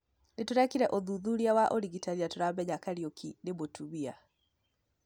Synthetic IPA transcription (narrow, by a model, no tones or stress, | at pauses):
netuɾakiɾɛʔoðuðuɾiawaʔoɾiɡitaɾiatuɾambɛɲakaɾiɔkʰinemotʰuβia